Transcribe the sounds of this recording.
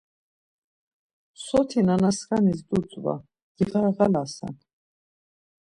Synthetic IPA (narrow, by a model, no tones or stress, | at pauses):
sɔt̪ʰinanaskanisd̪ut͡sʼva̰ | ɡ̥iʁaʁalasa̰n